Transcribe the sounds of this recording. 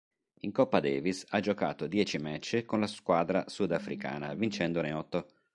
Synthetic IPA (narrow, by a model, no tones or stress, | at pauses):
iŋkɔpːad̪ɛːvisad͡ʒoka̰ːt̪od̪jɛːt͡ʃimɛt͡ʃːekonlaskwaːd̪ɾasud̪afɾḭka̰ːna̰vint͡ʃɛnd̪oneɔt̪ːo